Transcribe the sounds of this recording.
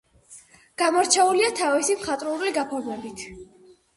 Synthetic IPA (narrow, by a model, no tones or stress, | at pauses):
ɡ̥amɔɾt͡ʃʰɛuliat̪ʰavisimχat̪ʼɾuɾliɡapʰɔɾmɛbit̪ʰ